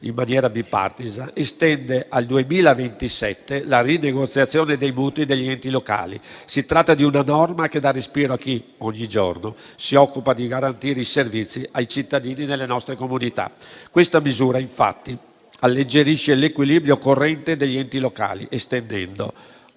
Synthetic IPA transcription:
imːanjɛːɾabipːa̰rt̪izaest̪ɛnd̪eald̪uemiːlavent̪isɛt̪ːelarineɡot̪sːjat̪sːjoːned̪ejmuːt̪id̪eʎːiɛnt̪iloka̰ːlḭsit̪ɾat̪ːad̪iunanɔrmaked̪arespiːɾoakːiɔɲːid͡ʒo̰rno | siɔkːupad̪iɡaɾant̪iːɾeiservit̪sːiajt͡ʃit̪ːad̪iːninelːenɔst̪ɾekomunit̪a̰kwest̪amizuːɾaiɱfa̰t̪ːi | alːed͡ʒeɾiʃelekwilibɾjokorːɛnt̪ed̪eʎːiɛnt̪iloka̰ːlḭʔest̪end̪ɛ̰nd̪o̰

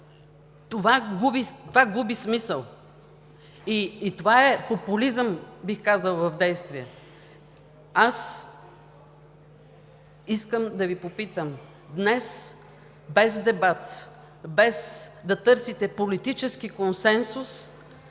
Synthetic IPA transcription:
t̪ovaɡubit̪ovaɡubismisəlˠ | iːt̪ovaɛpopulizəmbixkazəlˠvɐvd̪ɛjst̪viɛ | as | iskəmd̪ɐvipopit̪əm | d̪nɛs | bɛzd̪ɛbat̪ | bɛsd̪ɐt̪ɤɾsit̪ɛpolit̪it͡ʃɛskikonsɛnsʊs

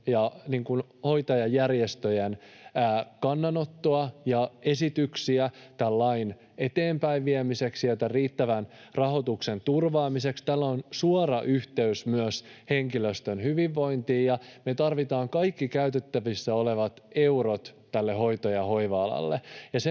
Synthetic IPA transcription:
jɑniːŋkun | ho̞jt̪ɑjɑjærjest̪øjenæːkɑnːɑnot̪ːoɑjɑesit̪yksiæt̪ælːɑin | e̞t̪eːmpæiʋʋiemiseksielt̪æriːt̪ːæʋæn | rɑhot̪uksent̪urʋɑːmisekst̪ælːonsuorɑʔyht̪eysmyøshe̞ŋkiløst̪ønhyʋiʋːo̞int̪iːjɑmet̪ɑrʋit̪ɑːŋkɑikːikæyt̪et̪ːæʋisːæoleʋɑt̪e̞urot̪t̪ːælːeho̞jt̪ojɑho̞iʋɑɑlɑ̰lːejɑse

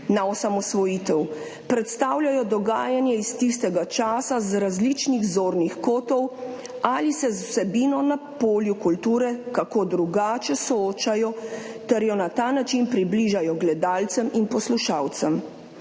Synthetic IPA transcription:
naɔsamɔsʋɔjit̪ɛw | pɾɛt̪st̪aːwlʲajɔd̪ɔɡaːjanjɛist̪ist̪ɛɡat͡ʃaːsazɾazlit͡ʃniɣzoːɾnixkoːt̪ɔw | alisɛzusɛbiːnɔnapoːljukult̪uːɾɛkakoːd̪ɾuɡaːt͡ʃɛsɔoːt͡ʃajɔt̪ɛɾjɔnat̪aːnat͡ʃinpɾibliʒajɔɡlɛd̪aːlt̪sɛminpɔsluʃaːwt̪sɛm

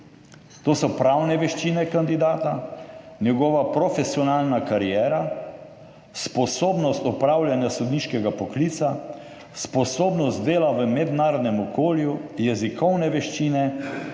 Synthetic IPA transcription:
t̪oːsɔpɾawnɛʋɛʃt͡ʃiːnɛkand̪id̪aːt̪anjɛɡɔːʋapɾɔfɛsiɔnaːlnakaɾijɛːɾa | spɔsoːbnɔst̪ɔpɾaːwljanjasud̪niʃkɛɡapɔkliːt̪sa | spɔsoːbnɔst̪̚d̪eːlaʋəmɛd̪naːɾɔd̪nɛmɔkoːljujɛzikɔwnɛʋɛʃt͡ʃiːnɛ

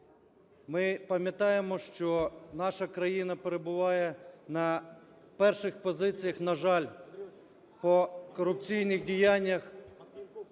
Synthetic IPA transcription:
mɪpɐmʲjɐt̪ɑjemɔʃt͡ʃɔnɑʃɐkɾɐjinɐpeɾebʊʋɑjɛnɐ | pɛrʃɪxpɔzɪt͡sʲijɐxnɐʒɑlʲ | pɔkɔɾʊp̚t͡sʲijnɪxdʲijanʲːɐx

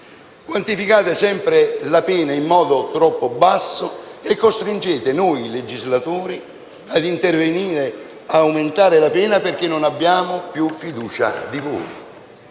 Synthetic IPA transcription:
kwant̪ifikaːt̪ɪsɛmpɾɪlapɛːnaimːɔːd̪ʊt̪ɾɔpːʊbasːʊekːost̪ɾind͡ʒɛːt̪ɪnojiled͡ʒizlat̪uːɾi | ad̪int̪erveniːɾɪ | aːwmɪnt̪aːɾɪlapɛːnaperk̟ɪnːʊnabːjaːmʊpjufːid̪uːt͡ʃa̰d̪ivo̰ːi

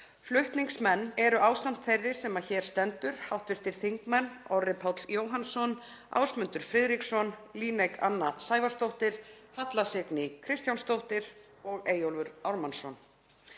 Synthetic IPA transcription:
flʏht̪niŋksmɛnːɛɾʏʔaːwst̪am̥t̪θejrːɪsɛmaðçɛːɾ̥st̪ɛnt̪ʏɾ̥hawht̪vɪɾ̥t̪ɪɾ̥θiŋkmɛnɔrɪpʰawt̪ljoːwɦansɔn | a̰ːwsmʏnt̪ʏɾ̥fɾɪðɾiksɔnliːnejka̰nːasaːjvast̪owht̪ɪɾ̥hat̪lasɪknɪkʰɾɪst̪janst̪owht̪ɪɾ | ɔɣeːjowlvʏɾawɾmansɔn

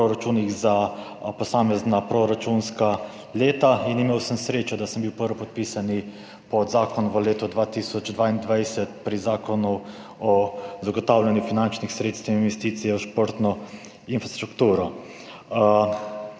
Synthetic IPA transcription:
pɾoɾat͡ʃunixzapɔsaːmɛznapɾoɾat͡ʃunska | leːt̪ainimeːwsəmsɾeːt͡ʃad̪asəmbiwpəɾʋɔpɔt̪̚piːsani | pɔzaːkɔnʋəleːt̪ɔd̪ʋaːt̪iːsɔd͡ʒd̪ʋaːind̪ʋajsɛt̪pɾizaːkɔnu | ɔzaɡɔt̪aːwlanjufinant͡ʃnixsɾeːt̪st̪əwininʋɛst̪iːt̪sijɛuʃpoɾt̪nɔ | infɾast̪ɾukt̪uːɾɔ

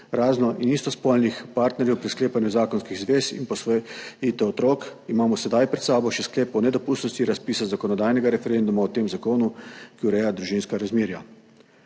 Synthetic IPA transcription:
ɾaːznɔʔinist̪ɔspɔlnixpaːɾt̪nɛɾjɛwpɾiskleːpanjuzaːkɔnskiɣzʋeːsḭnpɔsʋjit̪ɛɔt̪ɾoːkimaːmɔsɛd̪ajpɾɛt̪saːbɔʃɛsklɛːpɔnɛd̪ɔpuːst̪nɔst̪iɾaspiːsazakɔnɔd̪aːjnɛɡaɾɛfɛɾɛnd̪umaɔt̪eːmzakoːnukiuɾɛjad̪ɾuʒinskaɾazmiːɾja

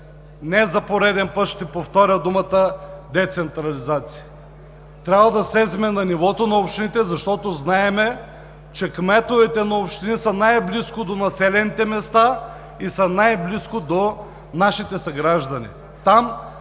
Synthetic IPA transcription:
nɛzɐpoɾɛd̪ɛnpɤt̪ʃt̪ɛpoft̪ɔɾʲɐd̪umət̪əd̪ɛt̪sɛnt̪ɾɐlizat̪si̥jə | t̪ɾʲabvɐd̪ɐsɛzɛmɛnɐnivɔt̪onɐopʃt̪init̪ɛzɐʃt̪ɔt̪oznaɛmɛ | t͡ʃɛkmɛt̪ovɛt̪ɛnɐopʃt̪inisənajbliskod̪onɐsɛlɛnit̪ɛmɛst̪a | isənajbliskod̪o | naʃit̪ɛsɐɡɾaʒd̪ɐnḭ | t̪am

